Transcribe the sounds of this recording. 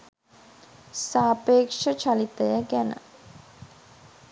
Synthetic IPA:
saːpeːkʂət͡ʃalit̪əjəɡænə̰

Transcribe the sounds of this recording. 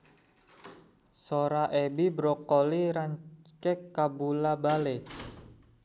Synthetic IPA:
soɾaʔɛbibɾɔkoliɾaɲt͡ʃɛkːabulabale

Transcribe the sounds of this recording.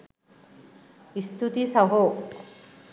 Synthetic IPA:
ist̪ut̪isɐɦo

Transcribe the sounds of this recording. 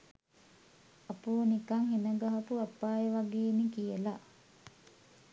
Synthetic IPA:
ɐpuːnikɐŋɦenəɡaɦɐpuapːaːjeʋaɡeːnikijəla

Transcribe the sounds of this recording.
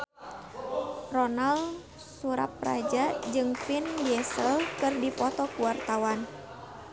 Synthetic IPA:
rɔnal | suɾa̰p̚ra̰d͡ʒad͡ʒɨŋpinbiɛsəlkɨrdipɔt̪ɔkuwart̪awan

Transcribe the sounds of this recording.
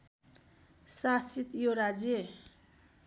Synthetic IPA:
sasit̪joɾad͡ze

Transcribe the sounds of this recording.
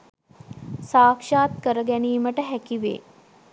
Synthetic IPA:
saːkʂaːt̪kəɾəɡɛniːməʈəɦɛkiʋḛː

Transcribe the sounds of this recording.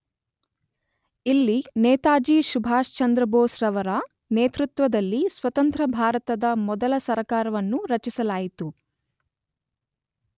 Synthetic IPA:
ilːinɛːt̪aːd͡ʒiːʃubʱaːʃt͡ʃɐnd̪ɾɐboːsɾɐʋɐɾaː | neːt̪ɾut̪ʋɐd̪ɐlːisʋɐt̪ɐnt̪ɾɐbʱaːɾɐt̪ɐd̪ɐmɔd̪ɐlɐsɐɾkaːɾɐʋɐnːuɾɐt͡ʃisɐlaːjit̪u

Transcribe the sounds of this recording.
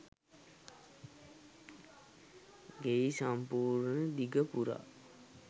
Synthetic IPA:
ɡeisampuːɾnəd̪iɡəpuɾa̰

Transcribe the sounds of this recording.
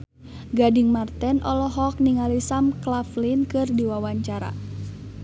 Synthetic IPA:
ɡadiŋmart̪ɛnʔɔlɔɦɔk̚niŋalisamklaflinkɨrdiwawaɲt͡ʃaɾa̰

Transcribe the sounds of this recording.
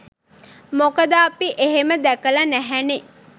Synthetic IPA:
mokəd̪aːpiʔeɦeməd̪ɛkəlanæɦæne

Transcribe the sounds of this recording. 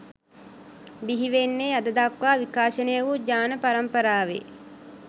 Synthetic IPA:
biɦiʋenːead̪əd̪akʋaːʋikaːʃənəjəʋud͡ʒaːnəpaɾɐmpəɾaːʋḛ

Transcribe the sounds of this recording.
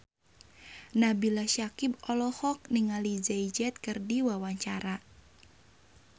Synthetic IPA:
nabilaʃakibɔlɔhɔk̚niŋalizɛid͡ʒɛt̪̚kɨrdiwawaɲt͡ʃaɾa

